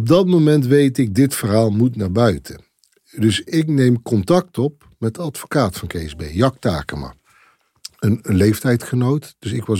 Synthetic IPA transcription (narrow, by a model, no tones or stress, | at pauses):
ɔb̚dɑtmowmɛntʋejtɪɡ̚dɪtfərɦaːlˠmutnaːɹbœɥtʰə | dɵsɪknejmkɔntɑk̚tɔp̚ | mɛt̚dəɑtfo̥kaːtfɑnkejɛzbejjɑk̚ta̰ːkəma̰ː | ənlejftɛjtχənowtd̥ɵsɪkʋɑ